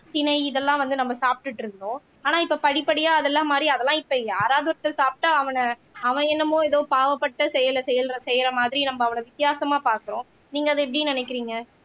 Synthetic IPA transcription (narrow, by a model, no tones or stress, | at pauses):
t̪ɪnɐɪɪðɛlːãːʋɐnd̪ɯnɐmːɐsaːp̚ʈɯʈːɪɾɯnd̪õː | aːnãːɪpːopɐɽɪpːɐɽɪjaːɐðɛlːaːmaːd̪ɾiɐðɛlːãːɪpːɐjaːɾaːðɯʋɐɾɐt̪ːɪlsaːp̚ʈːaːɐʋɐnɐɐʋɐ̃ɛnːɐmõːɛðoːpaːʋɐpːɐʈːɐsɛjɐlsɛjɐlɾɐsɛjɪɾɐmaːðɪɾinɐmːɐːʋɐnɐʋɪt̪ːɪjaːsɐmaːpaːɾkɯɾõ | niːŋɡɐːðɯɛpːɐɽijnɐnɛkːɪɾiːŋɡɐ